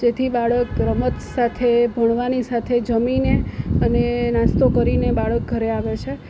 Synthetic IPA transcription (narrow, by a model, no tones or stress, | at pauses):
d͡ʒet̪ʰibaɭək̚ːɾəmət̪sat̪ʰebʱəɳ̃ʋanisat̪ʰed͡ʒəmineənenãst̪okəɾinebaɭək̚ɡʱəɾeaʋet͡ʃʰe